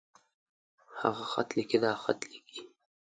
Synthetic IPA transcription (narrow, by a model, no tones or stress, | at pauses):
ha̰ɣaxat̪likid̪ɑxa̰t̪likʰi